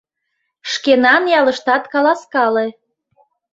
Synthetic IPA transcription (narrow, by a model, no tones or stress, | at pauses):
ʃkenɑnjɑləʃt̪ɑt̪kɑlɑskɑle